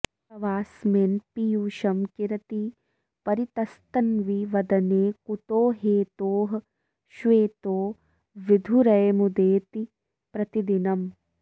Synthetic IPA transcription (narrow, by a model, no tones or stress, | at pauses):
ɐʋaːsmeːnpijuːʃɐmkiɾɐt̪i | pɐɾit̪ɐst̪ɐnʋiʋɐd̪ɐneːkut̪oːɦeːt̪oːɦ | ʃʋeːt̪oː | ʋid̪ʱuɾɐjɐmud̪eːt̪i | pɾɐt̪id̪inɐm